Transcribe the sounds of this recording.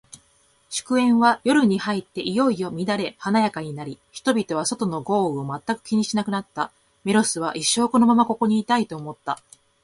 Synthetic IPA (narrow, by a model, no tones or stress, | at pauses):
ɕɨ̥kɯ̟ẽ̞ɰ̃β̞ajo̞ɾɯ̟ɲ̟ihait̪ːe̞ʔijo̞ijo̞mʲid̪aɾe̞hanajakaɲ̟inaɾʲiçi̥t̪o̞bʲit̪o̞β̞aso̞t̪o̞no̞ɡo̞ːɯ̟o̞mat̪ːakɯ̟kʲiɲ̟iɕinakɯ̟nat̪ːa | meɾo̞sɨβ̞aʔiɕːo̞ːko̞no̞mamako̞ko̞ɲ̟iːt̪ait̪o̞ːmo̞t̪ːa